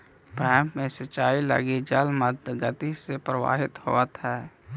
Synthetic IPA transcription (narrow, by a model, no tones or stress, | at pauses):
bɛ̃ːmpmẽsət͡ʃːaːilə̰ɡid͡ʒəlməd̪ɡət̪isepɾəwa̰ːɦɪt̪ho̰ət̪ɦɛː